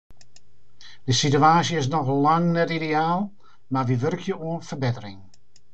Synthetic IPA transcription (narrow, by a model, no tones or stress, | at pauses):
d̥əsityaːsjəɪs̬nɔxlaŋnɛtideaːlˠ | maʋiʋørkʰjəuənfərbɪtərɪŋ